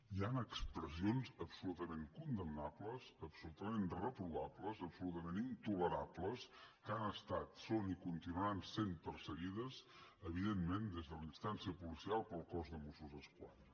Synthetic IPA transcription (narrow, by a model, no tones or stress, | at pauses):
ianəkspɾəzionzəpsulut̪əmeŋkund̪əmnapləzəpsulut̪əmenrəpɾuβapləzəpsulut̪əmenint̪uləɾabləskanəst̪at̪sonikunt̪inuansempərsəɣiðəsəβ̞iðemːmend̪ezðəlinst̪ansiəpulisialˠpəlˠkɔzðəmusuzəskwa̰n